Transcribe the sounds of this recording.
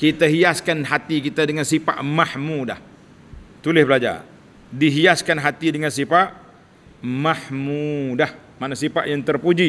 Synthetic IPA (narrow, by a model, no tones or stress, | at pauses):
kit̪aɦiaskanɦat̪ikit̪adəŋansipa̰ʔmahmudah | t̪ulɪhbəlad͡ʒa̰r | diɦiaskanɦat̪idəŋansipaʔ | mahmudah | manasipaʔjaŋt̪ərpud͡ʒi